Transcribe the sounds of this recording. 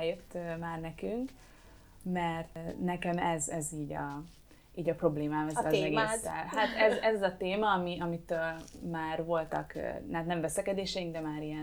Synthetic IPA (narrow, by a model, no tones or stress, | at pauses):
jøt̪ːmaːrnɛkyŋk | mɛrt̪nɛkɛmɛzɛziːɟɒ | iːɟɒpro̞bleːmaːmɛzɛmɛɡːst̪ɛlhat̪ɛzɛzɒzɒt̪eːmɒːmiɒmit̪øːlmaːrvo̞lt̪ɒk̪at̪nɛmvɛsɛkɛd̪eːʃɛjiŋɡd̪ɛmaːɾijɛn